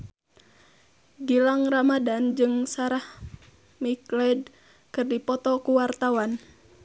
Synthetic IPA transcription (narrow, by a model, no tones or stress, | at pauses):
ɡilaŋramadand͡ʒɨŋsaɾah | miklɛd | kɨrdipɔt̪ɔkuwart̪awan